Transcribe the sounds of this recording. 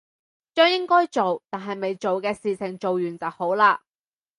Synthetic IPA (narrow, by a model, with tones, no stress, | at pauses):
t͡ʃœː˥ŋjɪ˥ŋkɔː˥jt͡ʃo˨wt̪aː˨˩nɦɐ˨jme˨jt͡ʃo˨wkɛː˧siː˨t͡sʰɪ˨˩ŋt͡ʃo˨wjyː˨˩nt͡sɐ˨who˨˥wlaː˧